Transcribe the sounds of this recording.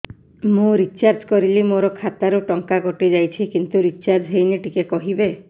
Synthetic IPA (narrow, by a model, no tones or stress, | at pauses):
mũɾit͡ʃaɾd͡ʒkɔɾilimoɾɔkʰat̪aɾuʈɔŋkaɡɔʈid͡ʒajt͡ʃʰikint̪uɾit͡ʃaɾd͡ʒɦejniʈikekɔɦibe